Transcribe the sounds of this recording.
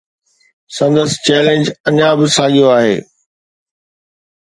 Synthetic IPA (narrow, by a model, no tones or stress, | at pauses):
sɐ̃nd̪əsɪ̥t͡ɕɛːlẽnd͡ʑɐɲãbɪsãːɠijoaːɦḛː